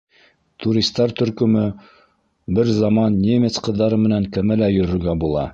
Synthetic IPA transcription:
t̪uɾʲist̪ːɑɾt̪ɵ̆ɾkɵ̆mɵ | bɘɾzɑmɑnːʲemʲet̪sqɤ̆ðːɑɾɤmɘ̆næŋkɘ̆mælæjɵ̆ɾɵ̆ɾɡæbulˠɑ̰

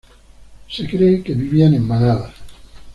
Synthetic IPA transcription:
sekɾejkeβiβianemːanaða

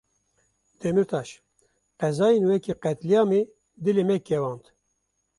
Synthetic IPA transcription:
d̪̥ɛmɨɾt̪ʰɑːʃ | qɛzɑːjenwɛkiqɛt̪lijɑːme | d̪ɨlemɛkɛwɑ̃ːnt̪

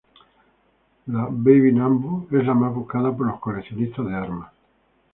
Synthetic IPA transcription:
laβejβinãmbuezlamazβukaðapoloskoleθjonist̪azðeaɾma

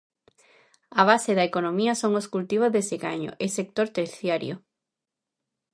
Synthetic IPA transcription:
aβ̞aseðɐekonõmiɐsoŋoskult̪iβ̞ozðeseɣaɲo̰ʔesek̚t̪oɾt̪eɾθjaɾjo̰

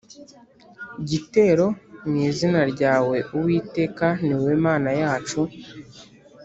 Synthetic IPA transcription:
ɟite̞ːɾo̞mŋiːzinaɾɟaːwe̞uwiːte̞ːkaniwe̞ːmaːnajaːt͡ʃu

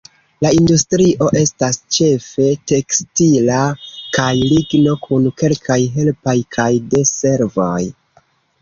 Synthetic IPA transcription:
laindustɾiʔo̞ʔe̞stast͡ʃe̞fe̞te̞kstilakajliɡno̞kʰunke̞lkʰajɦe̞lpajkʰajde̞se̞ɾvo̞j

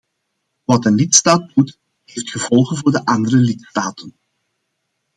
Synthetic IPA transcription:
ʋɑtənlɪtstaːt̚but | ɦejftxəvɔlˠɣənvʊːrdəʔɑndəɾəlɪtstaːtʰən

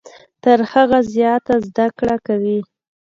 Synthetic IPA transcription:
t̪əɾhaɣazjɑt̪azd̪akɽakawi

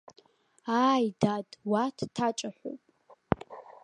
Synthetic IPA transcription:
aːjdadʼwatʰtʰat͡ʃʼaħʷo̰wpʼ

